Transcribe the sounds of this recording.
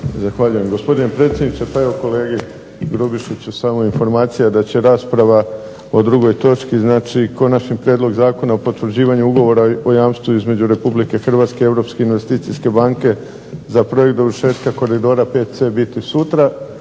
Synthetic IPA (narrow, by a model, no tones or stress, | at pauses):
zaxʋaʎuje̞mɡo̞spo̞d̪inepɾe̞t̪sʲjed̪nitse̞pae̞ʋo̞ko̞le̞ːɡe | ɡɾobiʃit͡ɕusamoinfo̞ɾmaːt̪sijad̪at͡ɕe̞ɾaːspɾaʋa | o̞d̪ɾuɡo̞jt̪o̞t͡ʃkiznaːt͡ʃiko̞nat͡ʃɲipɾjed̪lˠo̞ɡzaːko̞naopo̞t̪ʋɾd͡ʑiːʋaɲuuɡo̞ʋo̞ɾaojaːmst̪uizme̞d͡ʑuɾe̞publike̞xr̩ʋaːt̪skeie̞ʋɾo̞ːpske̞inʋe̞st̪iːt̪siske̞baŋke̞ | zapɾo̞je̞k̚t̪oʋɾʃe̞ːt̪kako̞ɾid̪o̞ːɾape̞t̪se̞bit̪isut̪ɾa